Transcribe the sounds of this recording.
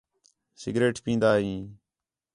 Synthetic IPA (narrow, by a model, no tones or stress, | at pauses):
sɪɡɾeːʈpĩːnd̪aːɦĩː